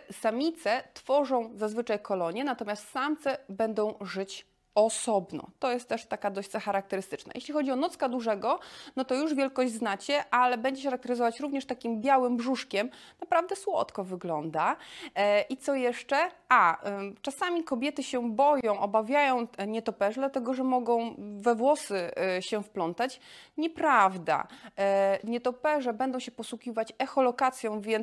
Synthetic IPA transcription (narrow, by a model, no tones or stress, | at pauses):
samʲit̪sɛt̪fɔʐɔ̃w̃zazvɘt͡ʂajkʰɔlɔɲjɛnat̪ɔmʲjast̪samt̪sɛbɛnd̪ɔ̃w̃ʐɘt͡ɕ | ɔsɔbnɔ̰̃t̪ɔjɛst̪ːɛʂt̪ːakad̪ɔɕzaxaɾak̚t̪ɛɾɘst̪ɘ̥t͡ʂna̰jḛɕʲlʲixɔd͡ʑiɔnɔt̪skad̪uʐɛɡɔnɔt̪ɔjuʐvʲjɛlkɔʑd͡ʑznat͡ɕɛʔalɛbɛɲd͡ʑɛxaɾak̚t̪ɛɾɘzɔvat͡ɕɾuvɲɛʂt̪akʲimbʲjawɘmbʐuʂkʲɛmnapɾavd̪ɛswɔ̰t̪kɔvɘɡlɔnd̪a | ʔit̪sɔjɛʂt͡ʂɛʔat͡ʂasamʲikɔbʲjɛt̪ɘɕɛbɔjɔ̃w̃ʔɔbavʲjajɔ̃w̃ɲɛt̪ɔpɛʐɛd̪lat̪ɛɡɔʐɛmɔɡɔ̃w̃vɛvwɔsɘɕɛfplɔnt̪at͡ɕɲɛpɾavd̪a̰ | ɲɛt̪ɔpɛʐɛbɛnd̪ɔ̃w̃ɕɛpɔswukʲivat͡ɕɛxɔlɔkat̪sʲjɔ̃w̃vʲjɛn